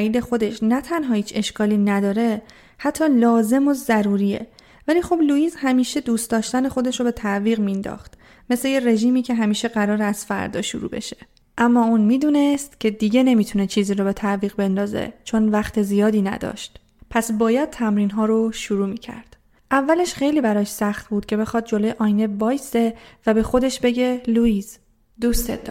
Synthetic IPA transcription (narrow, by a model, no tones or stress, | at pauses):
iːd̪e̞xo̞d̪e̞ʃnæt̪ʰænɦɒːhiːt͡ʃʰe̞ʃkʰɒːliːnæd̪ɒːɾe̞ | hæt̪ʰːɒːlɒːze̞mozæɾuːɾiːje̞̰ | væliːxo̞bluiːzhæmiːʃe̞d̪uːst̪d̪ɒːʃt̪æne̞xo̞d̪e̞ʃɾobe̞t̪ʰæʔviːɣmind̪ɒ̰ːxt̪ | me̞sle̞jere̞ʒiːmiːcʰe̞ɦæmiːʃe̞ɣæɾɒːɾeæz̥fæ̰ɾd̪ɒ̰ːʃṵɾṵːbe̞̰ʃe̞̥ | ʔæmːɒːuːnmiːd̪uːne̞st̪cʲʰe̞d̪iɟe̞ne̞miːt̪ʰune̞t͡ʃʰiːziːɾobe̞t̪ʰæʔviːɣbe̞nd̪ɒːzḛt͡ʃʰo̞nvæxt̪ʰe̞zijɒːd̪iːnæ̰d̪ɒ̰ːʃt̪ | pʰæsbɒːjæd̪̥̚t̪ʰæmɾiːnɦɒːɾoʃuɾuːmiːcʰæ̰ɾd̪̥ | ʔævːæle̞ʃxe̞jliːbæɾɒːʃsæxt̪̚buːd̪̥̚cʲʰe̞be̞xɒːd̪̚d͡ʒo̞lojeʔɒːjne̞vɒːjse̞væbe̞xo̞d̪e̞ʃbe̞ɟe̞luiːz | d̪uːst̪ḛ